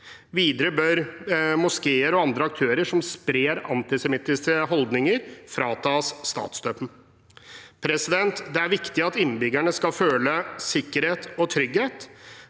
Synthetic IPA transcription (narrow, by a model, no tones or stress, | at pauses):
ʋiːd̪əɾəbœɾmʊskeːəɾɔɑnd̪ɾəɑkt̪ʰøːɾəʂɔmspɾeːɾɑ̰nt̪ɪsɛmɪt̪ːɪskəɦɔld̪nɪŋəɾfɾɑːt̪ʰɑsːt̪ɑ̰ːt̪sd̪øːpən̩ | pʰɾɛsɪd̪ɛnt̪d̪ɛæɾʋɪkt̪ɪɑt̪ɪnːbʏɡæɳəskɑføːləsɪkːəɾheːt̪ɔt̪ʰɾʏɡheːt̪